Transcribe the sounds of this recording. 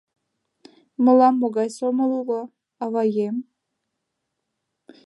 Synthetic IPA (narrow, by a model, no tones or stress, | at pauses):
mɤ̆lˠɑmːoɡɑjsomɤlˠulɤ | ɑvɑjem